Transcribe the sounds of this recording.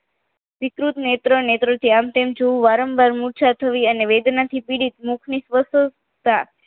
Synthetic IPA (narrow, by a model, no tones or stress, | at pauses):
ʋikɾut̪net̪ɾənet̪ɾət̪ʰiamt̪emd͡ʒoũʋaɾəmbʱaɾmuɾt͡ʃʰat̪ʰəʋiəneʋed̪nat̪ʰipiɽit̪mukʰnisʋəso | t̪a